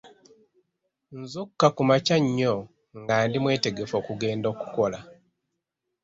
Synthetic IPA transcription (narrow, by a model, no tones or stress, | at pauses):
nzukːakumacaɲːo | ŋɡaːndimwe̞ːte̞ɡe̞fo̞ːkuɡe̞ːndo̞ːku̥ko̞la